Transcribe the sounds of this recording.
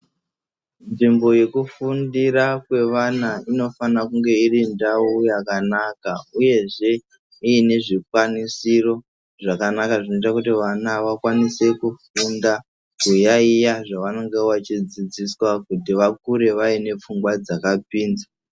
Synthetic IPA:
nʐimbo̞je̞kufundiɾakwe̞ʋanaino̞fanakuŋɡe̞irindaujakanakauje̞ʐe̞ | iːne̞ʐikwanisiro̞ | ʐakanakaʐino̞itakutiʋanaʋakwanise̞kufunda | kujaijaʐaʋano̞ŋɡe̞wat͡ʃid͡zid͡ziswakutiʋak̚uɾe̞ʋaine̞p͡fuŋɡwad͡zakapiːnd͡za

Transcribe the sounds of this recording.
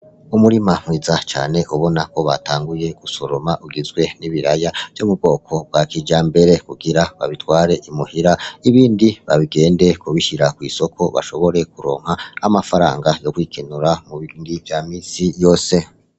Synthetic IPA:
umuɾimam̥wiːzat͡ʃa̰ːne̞ʔuβo̞nako̞βa̰taːŋɡuje̞ɡuso̞ɾo̞maʔuɡizɡwe̞niβiɾajav̥jomub̚ɡo̞ːkʰo̞b̚ɡwakid͡ʒaːmbe̞ɾe̞kuɡiɾaβaβitwaːɾe̞ʔimuhiɾaiβiːndiβaβiɡe̞ːnde̞kuβiʃiɾakwiːso̞kʰo̞βa̰ʃo̞βo̞ɾe̞k̚uɾo̞̰ːŋ̥haamafaɾa̰ːŋɡajo̞kwiːkʰenuɾamuβindivjaːmiːsijo̞ːse̞

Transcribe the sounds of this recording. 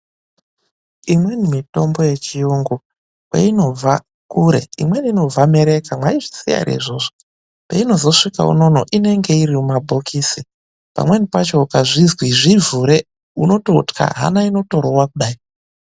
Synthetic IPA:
imwe̞nimito̞mbo̞je̞t͡ʃijuŋɡu | pḛino̞vʱa | kuɾe̞̰ḭmwe̞nino̞vame̞ɾe̞kamwaiʐi̥sija̰ɾḛʐoːʐo | pḛino̞zo̞ʂika̰ṵno̞no̰ʔine̞ŋɡe̞irimumabʱo̞kʰiːsi | pa̰mwe̞nipat͡ʃo̞kaʐizwiʐivuɾe̞ | uno̞to̞tka̰ɦa̰naino̞to̞ɾowakuɗaːi

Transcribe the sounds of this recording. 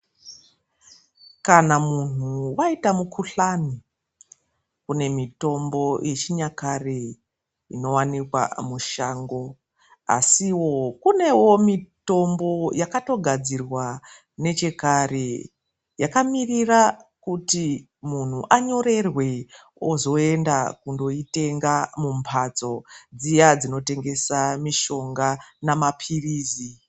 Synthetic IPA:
kanamun̤uwaitamukʰuɬani | kune̞mito̞mbo̞jʔe̞t͡ʃiɲakare | ino̞wanikwa̰muʃaːŋɡo̞ | a̰siwo̞kune̞wo̞mito̞mbo̞jakato̞ɡʱad͡zirwa | ne̞t͡ʃe̞kare̞ | jakamirirakuti | mun̤uʔaɲo̞ɾe̞rwe̞ | ozo̞e̞ndakundo̞ite̞ŋɡamumpʰat͡so̞d͡zijad͡zino̞te̞ŋɡe̞samiʃo̞ŋɡanamapʰiriːzi

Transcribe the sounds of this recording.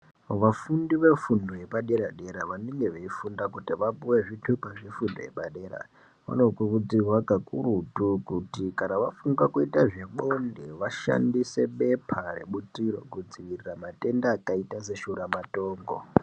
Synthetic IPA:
ʋafundiʋe̞fundoje̞paɗeɾaɗeɾaʋaneŋɡeʋeifundakutiʋapuweʐitʰupaʐifundo̰je̞̰paɗe̞ɾa̰ | ʋa̰no̞kurud͡zirwakakuɾutukutikanaʋafuŋɡakuitaʐeɓondeʋaʃa̰ndise̞ɓe̞pʰarḛɓutiɾo̞̰kud͡ziʋiriramate̞ndaːkaitas̬e̞ʃuɾamatoːŋɡo̰

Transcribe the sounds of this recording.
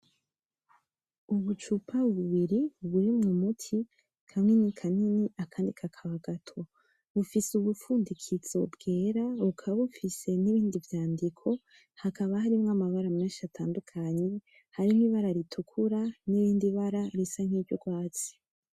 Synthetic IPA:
uβut͡ʃupʰaβuβiɾiβuɾimŋumutʰi | kʰamŋenikʰaniniʔakʰaːndikʰakʰaβaɡatʰo̞ | βufisuβufuːndikʰiz̥o̞̰bɡ̥e̞ːɾaukʰaβaβufise̞niβiːndivjaːndikʰo̞ | hakaβahaɾimŋamaβaɾameːnʃatʰaːndukʰaɲe̞ | haɾiniβaɾaɾitʰukʰuɾaniβiːndiβaɾaɾisaŋ̥hiːɟoɡwaːt͡si̥

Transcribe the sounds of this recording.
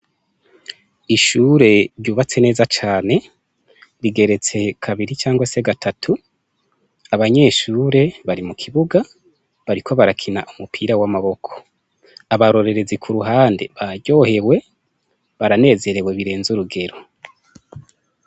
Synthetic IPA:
iʃuːɾe̞ɾɟuːβat͡se̞ne̞ːzat͡ʃaːne̞ | ɾiɡe̞ɾe̞t͡se̞kʰaβiɾit͡ʃaːŋɡwase̞ɡatʰatʰu | aβaɲe̞ːʃuːɾe̞βaɾimukʰiβuɡa | βaɾikʰo̞βaɾakʰina̰ʔumupʰiːɾawamaβo̞kʰo̥ | aβaɾo̞ɾe̞ɾe̞zikʰuɾuɦaːnde̞̰βaɟo̞ːhe̞we̞ | βaɾane̞ːze̞ɾe̞we̞βiɾe̞ːnzuɾuɡe̞ɾo̞

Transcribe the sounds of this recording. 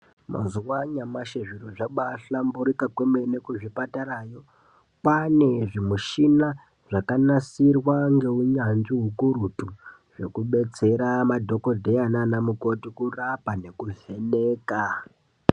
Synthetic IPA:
ma̰zuwaɲamaʃeʐiɾoʐaɓaɬambuɾikakwemenekuʐipataɾaːjo̞ | pane̞ʐimuʃina | ʐ̥akanasirwaŋɡe̞uɲanʐiɦukuɾutu | ʐe̞kuɓe̞t͡se̞ɾamadʱo̞ko̞dʱejananamuko̞tikurapane̞kuve̞neːka

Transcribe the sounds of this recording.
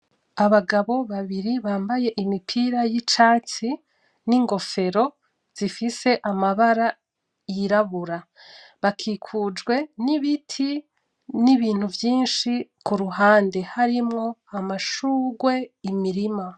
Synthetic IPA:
aβaɡaβo̞βaβiɾiβaːmbaje̞ʔimipʰiːɾajit͡ʃaːt͡si | niŋɡo̞fe̞ɾo̞ | z̥ifise̞ʔamaβaɾa | jiɾaβuɾa | βakʰiːkʰud͡ʒɡwe̞niβitʰi | niβiːn̥huvjiːnʃikuɾuɦaːnde̞haɾimŋo̞amaʃuːɡwe̞imiɾima

